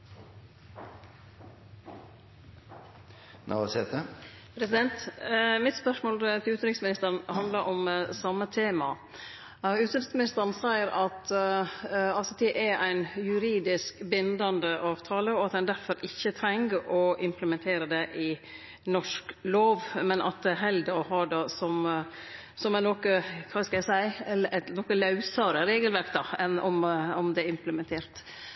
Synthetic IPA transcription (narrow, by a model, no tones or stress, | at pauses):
nʔɑ̰sɛt̪ə | pʰɾɛsɪd̪ɛnt̪mɪt̪spœʂmoːlt̪ʰɪlʉːt̪nɪŋsmɪnɪst̪əɾənhɑnd̪ləɾʔɔmsɑmːət̪ʰeːmɑ | ʉːt̪nɪŋsmɪnɪst̪əɾn̩sæɪəɾɑt̪ | ɑlsɔt̪ɛʔɛʔæɪnjʉɾiːd̪ɪskbɪnd̪ɑnd̪əʔɑːʋt̪ʰɑːləɔɑt̪dɛnd̪æɾfɔɾɪçːət̪ʰɾɛŋɡɔɪmpləmɛnt̪ʰeːɾəd̪ɛʔɪ | nɔʂkloːʋmɛnʔɑ̰t̪̚d̪ɛæɾɦɛld̪əɾɔɦɑːɖɑːsɔm | sɔmænɔkəkʰɑskɑlæsæɪɛɛt̪nɔkəlɑʉsɑɾəɾeːɡəlʋæɾkd̪ɑɛnɔmɔmd̪ɛɪmpləmɛnt̪ʰeːɾt̪